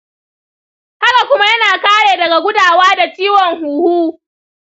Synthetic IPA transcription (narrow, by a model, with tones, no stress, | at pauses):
ha˦ka˨kʷʊ˦ma˦jɐ˦naː˨kaː˦ɽeː˨dɐ˨ɡa˨ɡʷʊ˦daː˨waː˦da˨t͡ʃiː˦wɔ˨ŋhuː˨huː˦